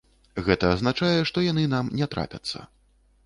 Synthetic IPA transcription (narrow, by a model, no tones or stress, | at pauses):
ɣɛt̪ɐːznat͡ʂajɛʂt̪ɔjanɨnamnʲɛt̪ɾʔa̰pʲɐ̰t̪sːɐ̰